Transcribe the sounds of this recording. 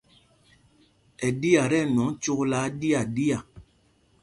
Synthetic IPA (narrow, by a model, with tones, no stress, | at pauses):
ɛ˨di˦a˨ɾɛ˦˨n˨ɔ˨˦ŋt͡ʃu˦klaː˨˦di˦a˨di˦a˨